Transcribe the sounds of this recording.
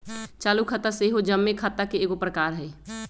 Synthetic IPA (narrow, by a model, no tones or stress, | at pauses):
t͡ʃaːlukʰət̪aseɦod͡ʒəmːekʰat̪akeeːɡopɾəkaːɾɦɛː